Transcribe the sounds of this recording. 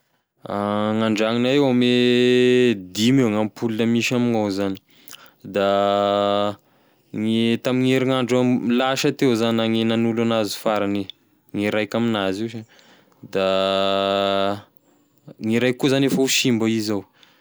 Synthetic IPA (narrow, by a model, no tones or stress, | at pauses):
aŋaɳɖ͡ʐaŋinaewame | d̪imewŋampʰulunəmiʃamiŋawzani̥ | d̪a | ŋet̪amiŋeɾiŋaɳɖ͡ʐəmilaʃat̪ewzanaŋenanulanazi̥faɾani | ŋiɾajkʲaminaziwʃa | d̪a | ŋiɾajkːuzanefəuʃimbaizaw